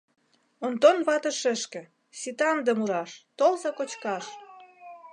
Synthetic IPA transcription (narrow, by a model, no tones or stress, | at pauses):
ont̪onβɑt̪ə̆ʃĕʃkĕ | sit̪ɑnd̪emuɾɑʃt̪olzɑkot͡ɕkɑʃ